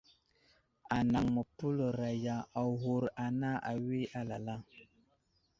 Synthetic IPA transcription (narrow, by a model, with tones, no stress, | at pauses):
a˨na˨ŋmə˨pu˦lə˨ɾa˨ja˨a˨ɦu˨ɾa˨na˦ʔa̰˨wi˦a˦la˨la˦